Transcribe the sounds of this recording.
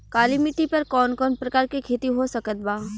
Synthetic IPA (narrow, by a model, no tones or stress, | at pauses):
kaːlimiʈipɐɾkɔːnkɔːnpɾɐkaːɾkikʰeːt̪iɦosɐkət̪̚baː